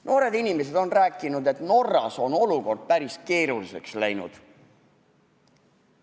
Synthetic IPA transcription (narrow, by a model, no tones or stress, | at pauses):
no̞ːɾe̞d̪inʲimes̬e̞d̪̥o̞nræːkːˑinud̪e̞t̪no̞rːɑ̰so̞no̞luko̞rd̪̥̚pæɾiske̞ːɾulise̞kslæjnṵd̪̥